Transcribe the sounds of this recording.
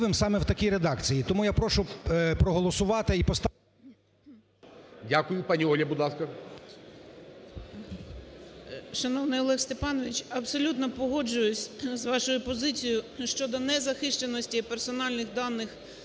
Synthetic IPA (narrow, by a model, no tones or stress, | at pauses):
ʋɪmsɑmɛwt̪ɐkʲiɾed̪ɑkt͡sʲijit̪ɔmujapɾɔʃʊpɾɔɦɔlˠɔsʊʋɑt̪ɪipɔst̪ | dʲakʊjʊpɑnʲiɔlʲjɐbʊd̪ˠɑskɐ | ʃɐnɔwnɪjɔlˠɛxst̪epɑnɔʋʲit͡ʃɐbsɔlʲut̪nɔpɔɦɔd͡ʒʊjʊsʲzʋɑʃʊjʊpɔzɪt͡sʲijʊʃt͡ʃɔd̪ɔnɛzɐxɪʃt͡ʃenɔsʲtʲiipersɔnɑlʲnɪxd̪ɑnːɪx